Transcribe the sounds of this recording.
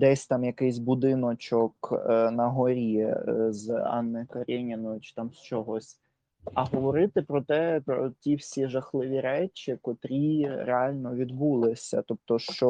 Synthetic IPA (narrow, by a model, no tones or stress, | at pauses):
d̪ɛsʲt̪ɑmjɐkɪjsʲbud̪ɪnɔt͡ʃɔknɐɦɔɾʲizɑ̰nːejkɐɾʲɛnʲɪnɔjʊt͡ʃɪ̥t̪ɑmst͡ʃɔɦɔsʲ | ɐɦɔʋɔɾɪt̪ɪpɾɔt̪ɛpɾɔ̰tʲiwsʲiʒɐxlˠɪʋʲiɾɛt͡ʃʲikɔt̪ɾʲiɾeɑlʲnɔʋʲid̪bulˠɪsʲɐ̰t̪ɔp̚t̪ɔʃt͡ʃɔ